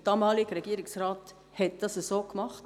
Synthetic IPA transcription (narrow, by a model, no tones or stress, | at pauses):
d̥ɑːmɑːlɪɡɾɛɡ̥iːɾɪksɾɑːt | hɛt̚d̥ɑsəsoːkmɑχt